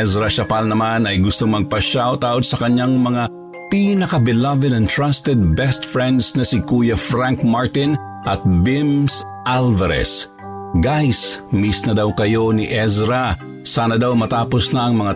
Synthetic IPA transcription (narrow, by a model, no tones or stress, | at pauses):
ɛsɾɐʃɐpalnɐmanɐjɡʊst̪oŋmɐɡ̚pɐʃawt̪aʔod̪sɐkɐɲaŋmɐŋa | pinɐkɐbɛlavɛd̪ɛnt̪ɹast̪ɛd̪̚bɛst̪fɹɛnd̪snɐsɪkujɐfɾaŋkmaɹt̪ɪn | ʔɐt̪̚bɪms | ʔalvɐɾɛ̰s | ɡajsmisnɐd̪awkɐjo̞niʔɛsɾa | saːnɐd̪awmɐt̪aːposnɐʔɐŋmɐŋa